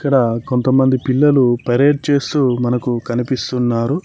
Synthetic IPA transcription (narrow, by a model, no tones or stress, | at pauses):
ikːɐɽɐko̞nt̪ɐmːɐnd̪ipilːɐlupɐɾe̞ːɖ̚t͡ʃe̞ːst̪uːmɐnɐkukɐnipist̪unːaːɾu